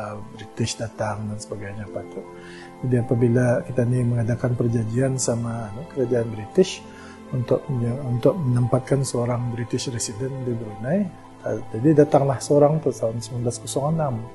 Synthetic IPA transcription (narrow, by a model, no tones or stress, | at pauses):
bɾit̪ɪʃdat̪aŋdansə̥baɡajɲapat̪uʔ | d͡ʒadiapabilakit̪animəŋadakanpərd͡ʒaɡiansamakəɾad͡ʒaːnbɾit̪ɪʃ | unt̪ʊʔ̚unt̪ʊk̚mənəmpat̪̚kansəoɾaŋbɾit̪ɪʃresidɛndibəɾunaj | t̪ad͡ʒadidat̪aŋlahsəoɾaŋt̪ut̪aʊnsəmanblaskosɔŋanam